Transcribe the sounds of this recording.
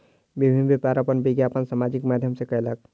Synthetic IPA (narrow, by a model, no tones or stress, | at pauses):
bibʱinbipaɾəpənbiɡjapənsamad͡ʒikmad̪ʱjəmsekəelək̚